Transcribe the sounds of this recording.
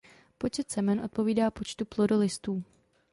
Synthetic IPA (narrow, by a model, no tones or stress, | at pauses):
po̞t͡ʃɛt̪sɛmɛnʔo̞t̪̚po̞viːdaːpo̞t͡ʃt̪uplodolɪst̪uː